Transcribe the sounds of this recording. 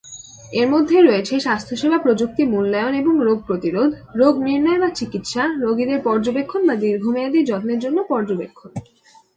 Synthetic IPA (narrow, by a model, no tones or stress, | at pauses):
eɾmod̪ʱːeɾoet͡ɕʰeʃast̪ʰoʃebʱapɾod͡ʑuk̚t̪imulːaeoneboŋɾoɡ̚pɾot̪iɾod̪ʱɾoɡmiɾnɔebat͡ɕikit̪ʃaɾoɡid̪eɾpɔɾd͡ʑobekʰːonbad̪iɾɡʱomead̪iɾd͡ʑɔt̪neɾd͡ʑonːopɔɾd͡ʑobḛkʰːon